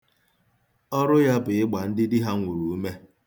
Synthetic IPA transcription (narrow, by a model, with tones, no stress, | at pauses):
ɔ˦ɾʊ˦ja˦bʊ˨ɪ˦ɡ͡ba˨n̩˦dɪ˦dɪ˦ɦa˦ŋʷu˨ɾɾu˨u˦me˦